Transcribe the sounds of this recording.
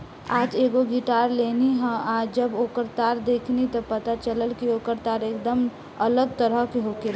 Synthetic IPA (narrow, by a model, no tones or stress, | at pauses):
aːd͡ʒeɡoɡɪʈaːɾleniɦə̃aːd͡ʒəboːkəɾt̪aːɾd̪eːkʰnit̪ɔpət̪at͡ʃələlkioːkəɾt̪aːɾeːkd̪əm | ələɡ̚t̪əɾəɦkeɦokel